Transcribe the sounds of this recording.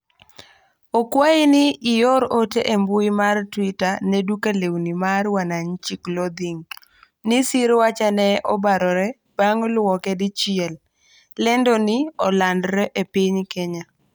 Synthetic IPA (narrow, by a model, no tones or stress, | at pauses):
okwaɪnɪːjɔɾoteʔembuimartwitanɛdukalewnimarwanaɲt͡ʃiklɔd̪iŋ | nisiɾwat͡ʃanɛʔɔbaɾɔɾɛ | b̥aŋlwɔkɛdɪt͡ʃɪɛlː | ɛndɔnɪɔlandɾɛʔepiɲkeɲa